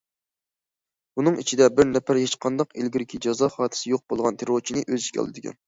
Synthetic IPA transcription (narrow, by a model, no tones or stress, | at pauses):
bunɨŋḭt͡ʃʰid̪ɛbɪɾnɛpʰæɾhet͡ʃqʰɑnd̪ɑqelɡʲiɾɪkʲʰid͡ʒɑzɑχɑːt̪ʰɪ̥sɪjoq̚bolˠʁɑnt̪ʰeɾoɾt͡ʃʰinɨʔøzikʲɑ̰lˠɨd̪ɪkʲɛ̰n